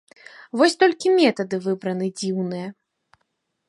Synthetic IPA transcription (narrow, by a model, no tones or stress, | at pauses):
vɔsʲt̪ɔlʲkʲimʲɛt̪ɐd̪ɨvɨbɾɐnɨd͡zʲiwnɨjɛ